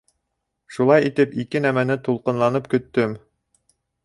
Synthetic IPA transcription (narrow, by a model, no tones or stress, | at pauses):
ʃulˠɑjit̪ɘpikɘnæmænɘt̪ulˠqɤ̆nlˠɑnɤpkɵ̆t̪ːɵm